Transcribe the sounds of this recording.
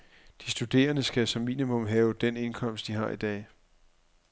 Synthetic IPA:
d̥isd̥ud̥e̝̰ːɐnəsɡ̥æsɒ̽mːḭːnimɔ̽mɦɛːʊd̥ene̝nkʰɒ̽m̰sd̥iɦɑ̈id̥ɛ̰ː

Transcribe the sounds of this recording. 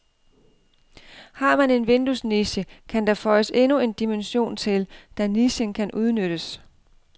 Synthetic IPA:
hɑ̈ːmæne̝nʋe̝nd̥usniɕəkʰænd̥ɑfɒɪəse̝nue̝nd̥imenɕo̝̰ːnt͡sʰe̝ld̥æniɕənkʰænʔuð̞ˠnøɾ̥əs

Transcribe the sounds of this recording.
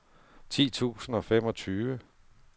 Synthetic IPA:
t͡sʰḭːt͡sʰṵːsn̩ɒ̽fem̰ɒ̽t͡sʰyːʋə

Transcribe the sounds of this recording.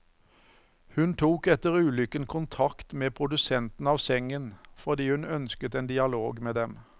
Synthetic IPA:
hʉnt̪ʰuːkɛt̪əʁʉːlʏkənkʰʊnt̪ʰɑkt̪meːpʰʁʊd̪ʉsɛnt̪n̩ɑːʋsɛŋənfɔʁd̪iːhʉnœnskət̪ɛːnd̪ɪɑloːɡmeːd̪ɛm

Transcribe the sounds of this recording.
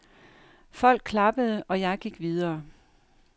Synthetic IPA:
fɒ̽l̰ɡ̥̚kʰlɑ̈b̥əð̞ˠəʔɒ̽jɑ̈ɪɡ̥iɡ̥ʋið̞ˠɐː

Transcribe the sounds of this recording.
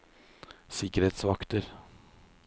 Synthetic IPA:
sɪkəɾheːt̪sʋɑkt̪əɾ

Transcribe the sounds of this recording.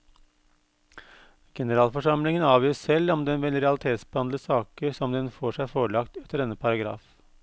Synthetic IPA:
ɡ̥ɛnəɾɑːlfɔʂɑmlɪŋənɑːʋiːəssɛlɔmd̪ɛnʋɛlɾɛɑlɪt̪ʰeːt̪sbəɑnd̪ləsɑːkəɾsɔmd̪ɛnfoːʂæfoːɭɑkt̪ɛt̪ʰːəɾɛnəpʰɑɾɑɡɾɑ̰ːf

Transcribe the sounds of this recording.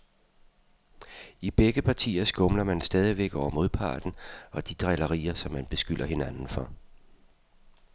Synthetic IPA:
ib̥eɡ̥əpʰɑ̈t͡sʰḭːɐsɡ̥ɔ̽mlɐmænsd̥ɛːð̞ˠiʋeɡ̥ɒʊ̰ɐmo̝ðˠpʰɑ̰̈ːd̥n̩ɒ̽d̥id̥ʁɛlɐʁḭːɐsɒ̽mːænb̥e̝sɡ̥yl̰ʔɐhe̝nænn̩fɒ̽

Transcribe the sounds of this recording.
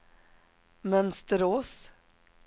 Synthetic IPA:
mœnst̪əɾoːs

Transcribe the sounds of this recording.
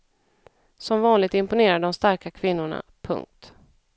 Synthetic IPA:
sɔmvɑːnlɪɡ̚t̪ɪmpʊneːɾaɖɔmst̪aɾkakʰvɪnːʊɳa̰pʰɵ̰ŋk̚t̪

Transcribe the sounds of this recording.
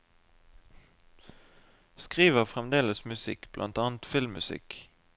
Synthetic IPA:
skʁiːʋəʁfʁɛmd̪eːləsmʉsɪ̰kb̥lʔɑ̰nt̪ɑːnt̪fɪlmʉsɪ̰k

